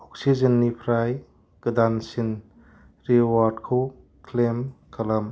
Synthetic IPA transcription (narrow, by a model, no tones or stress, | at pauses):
ɔk̚sizɐnːipʰɾaj | ɡ̥ɯdansin | ɾiwaɾdkʰow | kʰlemkʰɐlɐm